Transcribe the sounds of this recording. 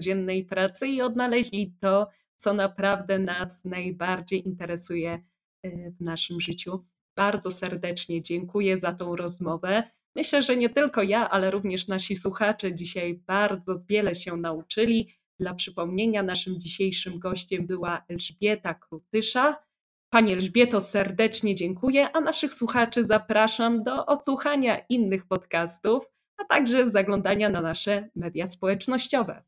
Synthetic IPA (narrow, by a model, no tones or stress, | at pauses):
ɔd͡ʑɛnːɛjpɾat̪sɘiɔd̪̚nalɛʑlʲit̪ɔ | t̪sɔnapɾavd̪ɛnasnajbaɾd͡ʑejint̪ɛɾɛsujɛ | vnaʂɘmʐɘt͡ɕu | b̥aɾd̪zɔsɛɾd̪ɛt͡ʂɲɛd͡ʑɛŋkujɛzat̪ɔ̃w̃ɾɔzmɔvɛ | mɘɕlɛʐɛɲɛt̪ɘlkɔjaʔalɛɾuvɲɛʂnaɕiswuxat͡ʂɛd͡ʑiɕajbaɾd̪zɔvʲjɛlɛɕɛnaut͡ʂɘlʲi | d̪̥lapʂɘpɔmɲeɲanaʂɘmd͡ʑiɕejʂɘmɡɔɕt͡ɕɛmbɘwaɛlʐbʲjɛt̪akɾut̪ɘʂa | paɲiɛlʐbʲjɛt̪ɔsɛɾd̪ɛt͡ʂɲɛd͡ʑɛŋkujɛʔanaʂɘxswuxat͡ʂɘzapɾaʂamd̪ɔʔɔt̪swuxaɲaʔinːɘxpɔt̪kast̪uf | at̪aɡʐɛzaɡlɔnd̪aɲananaʂɛmɛd̪ʲjaspɔwɛt͡ʂnɔɕt͡ɕɔvɛ̰